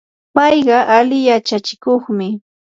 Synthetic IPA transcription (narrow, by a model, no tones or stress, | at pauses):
pɑjɢɑʔalɪjat͡ʃat͡ʃɪ̥koχmɪ